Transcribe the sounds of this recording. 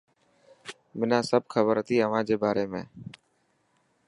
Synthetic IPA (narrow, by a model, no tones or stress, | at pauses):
mɪnãːsəb̚xʰəbəɾət̪iːəʋãːd͡ʒeːbaːɾeːmẽː